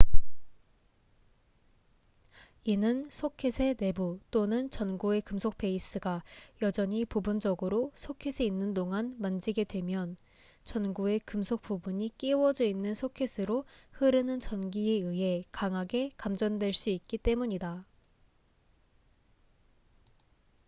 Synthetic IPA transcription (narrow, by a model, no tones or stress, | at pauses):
inɯnsʰokʰesʰe̞ne̞but͈onɯnt͡ɕʌnɡue̞kɯmsʰok̚p͈e̞is͈ɯɡajʌd͡ʑʌɲipubund͡ʑʌɡɯɾosʰokʰesʰeinːɯndoŋanmand͡ʑiɡe̞dwe̞mjʌn | t͡ɕʌnɡue̞kɯmsʰok̚p͈ubuɲik͈iwʌd͡ʑʌinːɯnsʰokʰe̞sʰɯɾohɯɾɯnɯnt͡ɕʌnɡieɯɦe̞kaŋɦaɡe̞kamd͡ʑʌndwe̞ɭs͈uik̚k͈it͈e̞muɲida